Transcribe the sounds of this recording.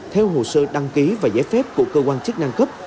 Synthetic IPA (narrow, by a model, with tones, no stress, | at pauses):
t̪ʰɛ˧wɦo̰˧˩səː˧ɗa˧ŋki˨˦vaː˨˩zaː˨˦jfɛ˦˥p̚ku˧˩əkəː˧kwaː˧nt͡ɕɨ˦˥k̚na˧ŋkə˦˥p̚